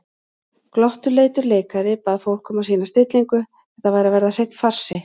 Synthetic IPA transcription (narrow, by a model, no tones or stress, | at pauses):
klɔht̪ʏleːjt̪ʏɾleːjkaɾɪpaːðfowl̥kʰɔmasiːnast̪ɪt̪liŋkʏ | θɛht̪avajɾavɛɾðar̥ejt̪far̥sɪ